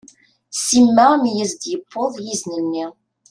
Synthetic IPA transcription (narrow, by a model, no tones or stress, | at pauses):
simːæmjəzd̪jəpʰːoðˤjizninːi